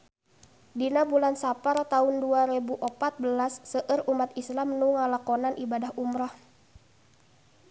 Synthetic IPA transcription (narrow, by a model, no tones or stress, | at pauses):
dinabulansapart̪aunduaɾebuʔɔpat̪̚bəlasːəʔərumat̪islamnuŋalakɔnanʔibadaɦumɾah